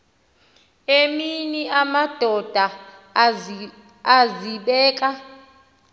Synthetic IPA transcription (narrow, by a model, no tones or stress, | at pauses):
eminiʔamad̥ʱɔd̥ʱa | ziɓɛːk̬ʼa